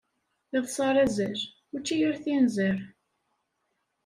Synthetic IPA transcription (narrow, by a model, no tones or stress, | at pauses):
iðˤsˤɑɾˤæzæz | ʊt͡ʃːijəɾθinzəɾ